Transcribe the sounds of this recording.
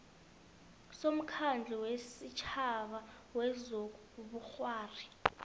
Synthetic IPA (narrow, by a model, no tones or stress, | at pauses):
som̩kʰand͡ɮʱɛwesit͡ʃʰaɓa | wɛzo | ɓuxwaːri